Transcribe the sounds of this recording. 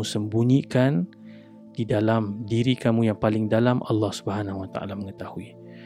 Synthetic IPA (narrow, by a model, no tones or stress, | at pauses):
usəmbuɲikan | d̥idalamdiɾikamũjaŋpalɪŋdalamʔa̰lːɑhsu̥bəɦanaɦwat̪a̰ʔa̰laməŋət̪ahui